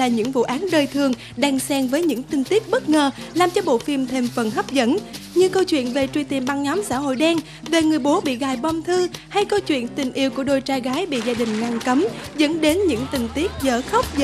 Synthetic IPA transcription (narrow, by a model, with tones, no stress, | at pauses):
laː˨˩ɲɨ̰˧˥ŋvṵ˧˨ʔaː˨˦nɗəː˧jt̪ʰɨ˨˩əŋ | ɗaː˧ŋsɛ˧ŋvəː˨˦jɲɨ̰˧˥ŋt̪ï˧ŋ̟t̪i˦˥ək̚ɓə˦˥t̚ŋəː˨˩laː˨˩mt͡ɕɔ˧ɓo̰˧˨fi˧mt̪ʰe˧˩mfə˨˩nɦə˦˥wk͡p̚zə̰˧˥nɲɨ˧kə˧wt͡ɕwḭ˧˨ənve˨˩t͡ɕwi˧˩t̪i˨˩əmɓa˧ŋɲɔ˨˦msa̰ː˧˥˨ho̰˧˨jɗɛ˧ŋ | ve˨˩ŋɨ˨˩əjɓo˨˦ɓḭ˧˨ɣaː˨˩jɓɔ˧wmt̪ʰɨ˧ha˧jkə˧wt͡ɕwḭ˧˨ənt̪ï˨˩ŋ̟ʔi˧əwku˧˩əɗo˨˩jt͡ɕaː˧˩jɣaː˨˦jɓḭ˧˨zaː˧ɗï˨˩ŋ̟ŋa˧˩ŋkə˨˦mzə̰˧˥nɗe˨˦nɲɨ̰˧˥ŋt̪ï˨˩ŋ̟t̪i˦˥ət̚zə̰ː˧˩xə˦˥wk͡p̚zə˧